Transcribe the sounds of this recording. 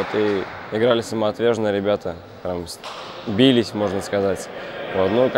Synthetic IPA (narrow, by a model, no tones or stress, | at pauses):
ot̪ɨɪɡɾalʲɪsəmɐt̪vʲeʐnəjɾʲɪbʲat̪ʰə | pɾʲamsʲbʲilʲɪsʲmo̞ʐnəskɐzatʲvo̞t̪nuk